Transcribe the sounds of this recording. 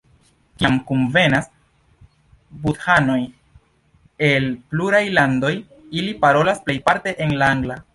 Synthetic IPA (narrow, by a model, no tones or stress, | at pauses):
kiamkunve̞nas | buthano̞j | e̞lpluɾajlando̞j | ilipaɾo̞lasple̞jpaɾte̞ʔenlaaŋɡla